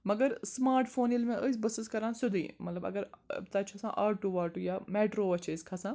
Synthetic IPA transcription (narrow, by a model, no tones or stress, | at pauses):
mɐɡəɾsmaːɾʈfʰoːnilmẽʔəsbɐsiskɐɾãːnsʊd̪ḭːmɐt̪lɐbɐ̰ɡəɾt̪ɐt͡ʃʰɐsã̰ʔaːɾʈuaːɾʈuːjaːmeːʈɾoːɐt͡ʃʰeskʰasãː